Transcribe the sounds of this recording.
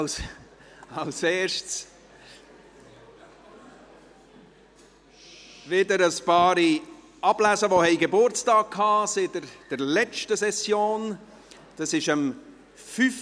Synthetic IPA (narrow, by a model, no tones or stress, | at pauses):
s | ɑlseːʃts | vɪdəɾəspɑːɾi | ɑblæsəʋohɛɪɡebʊɾt͡stɑːk̚kʰɑːsɪdəd̥əɾlɛt͡ʃtəsɛsjoːn | d̥ɑsɪʃəm | fyf